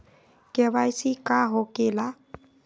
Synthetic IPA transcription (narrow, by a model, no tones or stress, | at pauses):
kɛβajsikaɦokela